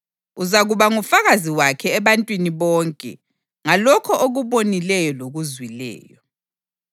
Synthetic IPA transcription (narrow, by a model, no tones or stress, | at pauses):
uzaɣuβaŋufaɣaziwakʰɛːβantʼwiniβɔːŋkʼɛ̰ | ŋalɔkʰɔʔoɣuβonilɛjɔloɣuzwilɛ̰ːjɔ